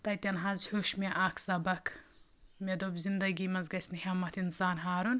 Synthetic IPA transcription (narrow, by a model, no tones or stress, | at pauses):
t̪ɐt̪ʲɐnɦɐzhuʃmeʔaːkʰsɐbɐkʰ | med̪oːbzind̪ɐɡiːmɐnzɡɐsʲnihʲɐmɐt̪ʰinsaːnɦaːɾun